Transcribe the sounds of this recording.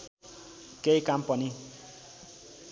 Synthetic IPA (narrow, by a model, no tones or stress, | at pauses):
keikampʌni